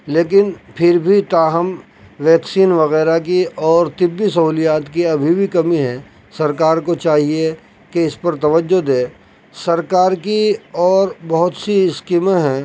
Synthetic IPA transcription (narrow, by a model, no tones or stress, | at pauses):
leːk̬ɪnpʰɪɾbʱit̪aːɦəm | ʋɛːksiːnʋɐɣɛːɾak̬iʔɔːɾt̪ɪbːisɐɦuːlijaːt̪kiɐbʱibʱikɐmiɦɛ̃ | sɐɾkaːɾkot͡ʃaːɦie | keɪspɐɾt̪ɐʋəd͡ʒːod̪eː | sɐɾkaːɾkiɔːɾbɐɦʊt̪siskimaɦɛ̃ː